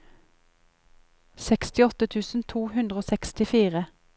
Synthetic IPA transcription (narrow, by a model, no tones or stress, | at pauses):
sɛkst̪ɪɔt̪ət̪ʰʉːsn̩t̪ʰuːhʉnd̪ʁəoːsɛkst̪ɪfiːʁə